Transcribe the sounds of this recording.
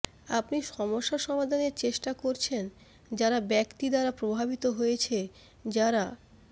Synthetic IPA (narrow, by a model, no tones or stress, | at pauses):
apniʃɔmoʃːaʃɔmad̪ʱaneɾt͡ɕeʃʈakoɾt͡ɕʰen | d͡ʑaɾabɛkt̪id̪aɾapɾobʱabit̪oɦojet͡ɕʰe | d͡ʑaɾa